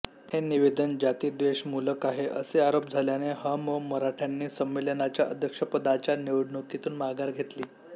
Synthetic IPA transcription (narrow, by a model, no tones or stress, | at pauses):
heniʋed̪ənd͡ʑat̪iːd̪ʋeɕmuləkaɦeʔəseaɾop̚d͡zʱaljaneɦəməməɾaʈʰanːiːsəmʋeljənat͡ɕjaʔəd̪ʱjəkʂəpəd̪at͡ɕjaneʋɽɳukit̪uːnmaɡaɾɡʱet̪liː